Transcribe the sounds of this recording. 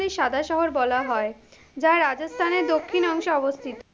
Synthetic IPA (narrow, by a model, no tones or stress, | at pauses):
eɾʃad̪ʱaʃɔɦoɾbɔlaɦɔe | d͡ʑaɾad͡ʑost̪ʰaneɾd̪okʰːinɔŋʃoɔbost̪ʰit̪